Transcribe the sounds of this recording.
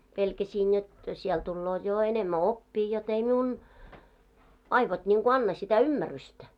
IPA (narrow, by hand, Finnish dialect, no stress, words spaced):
pelkæsiːn jot siɛl tulːoːt̆ jo enemːæ opːiː jot ei miun ɑiʋot nʲiŋɡ̊o ɑnːɑ sitæ ymːærystæ